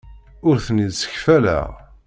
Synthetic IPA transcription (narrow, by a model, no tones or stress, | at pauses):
ʊɾθnidsə̥çfælæ̰ʁ